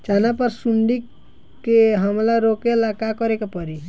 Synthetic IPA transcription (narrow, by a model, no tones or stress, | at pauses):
t͡ʃanapəɾsuɳɖikː | eɦəmlaɾokelakakɔɾekepɔɾi